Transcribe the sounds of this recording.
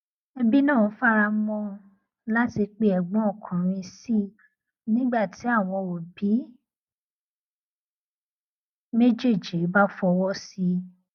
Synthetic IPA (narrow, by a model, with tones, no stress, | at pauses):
ɛ˧bi˦nãː˦˨˦fa˦ɾa˧mɔ̃˧ | la˦ti˧k͡pe˦ɛ˨ɡ͡bɔ̃˨˦ɔ˦˨kʰã˨ɾ̃ĩ˧si˦˨ | nĩ˦ɡ͡ba˦˨tʰi˨˦a˦˨w̃ɔ̃˧o˨bi˨˦ | me˦d͡ʒe˦˨d͡ʒi˨˦ba˦fɔ˧wɔ˦si˧